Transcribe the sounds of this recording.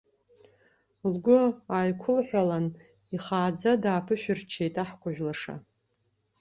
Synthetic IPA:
lɡʷʊajkʷʰʊlħʷᶣalan | iχaːd͡zadaːpʰɨʃᶣɪrt͡ʃʰejtʼaħkʷʰaʒᶣlaʂa̰

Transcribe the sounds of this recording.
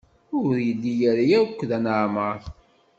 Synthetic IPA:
ʊɾjəlːijæɾjækʷːðænəʕməɾˤ

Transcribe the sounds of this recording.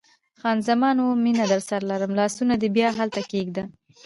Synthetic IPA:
xɑnzamɑnwominad̪aɾsaɾlaɾəmlɑsunad̪ebjɑɦalt̪akeɡd̪a

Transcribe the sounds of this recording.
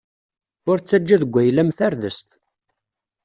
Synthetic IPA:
ʊɾt͡sːæd͡ʒːæðəɡʷːæjlæmθæɾðəst̪

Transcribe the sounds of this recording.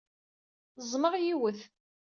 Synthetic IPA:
zˤməʁjiwəθ

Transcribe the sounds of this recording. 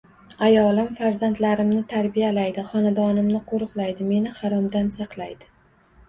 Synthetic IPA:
ajɒlˠɪmfaɾzant̪laɾɪmnɪt̪ʰaɾbijalajd̪ɪχɒnad̪ɒnɪmnɪqʰoɾʊqlˠajd̪ɪme̞nɪhaɾɒmd̪ansɑqlˠajd̪ɪ̥

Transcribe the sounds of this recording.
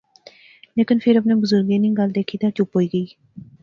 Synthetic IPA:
leːkɪnpʰɪɾap̬nẽːbʊzʊɾɡeːnĩːɡəld̪eːkʰiːt̪ãːt͡ʃʊpɦoːiːɡəiː

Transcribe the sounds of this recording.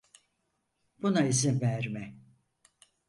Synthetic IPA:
b̥unaizinvæɾmɛ

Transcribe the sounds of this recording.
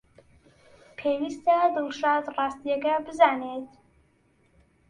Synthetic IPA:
pʰeːwiːst̪ɐd̪ɨlˠʃɑːt̪rɑːst̪ijɛkɐbɨzaːneːt̪

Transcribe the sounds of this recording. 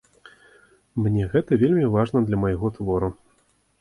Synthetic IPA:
mnʲɛɣɛt̪ɐvʲelʲmʲivaʐnɐd̪lʲɐmɐjɣɔt̪vɔɾu

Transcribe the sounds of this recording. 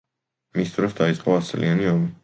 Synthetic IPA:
mist̪ʼɾɔsd̪ait̪sʼqʼɔaslianiɔmi

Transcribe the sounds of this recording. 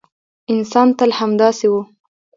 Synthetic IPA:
ɪnsɑnt̪əlhamd̪ɑsewu

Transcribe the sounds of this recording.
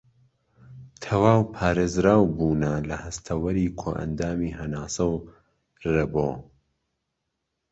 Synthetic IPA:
t̪ʰɐwaːwpʰaːɾeːzɾaːwbuːnɐlɐhɐst̪ʰɐwɐɾiːkʰo̰ʔɐ̰nd̪aːmiːhɐnaːsɐw | rɐboː

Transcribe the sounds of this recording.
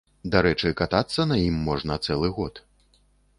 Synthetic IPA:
d̪aɾɛt͡ʂɨkat̪at̪sːɐnɐjimːɔʐnɐt̪sɛlˠɨɣɔt̪

